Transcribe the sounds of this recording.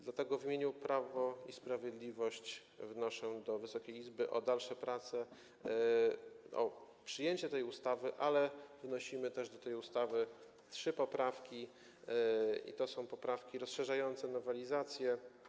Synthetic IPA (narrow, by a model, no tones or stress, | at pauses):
d̪lat̪ɛɡɔvʲimʲeɲupɾavɔispɾavʲjed̪lʲivɔɕt͡ɕ | vnɔʂɔ̃d̪ɔvɘsɔkʲejizbɘʔɔd̪alʂɛpɾat̪sɛ | ɔ̰ | pʂɘjeɲt͡ɕɛt̪ɛjust̪avɘʔalɛvnɔɕimɘt̪ɛʐd̪ɔt̪ɛjust̪avɘ | tʂɘpɔpɾafkʲi | ḭt̪ɔsɔ̃w̃pɔpɾafkʲiɾɔsʂɛʐajɔnt̪sɛnɔvɛlʲizat̪sʲjɛ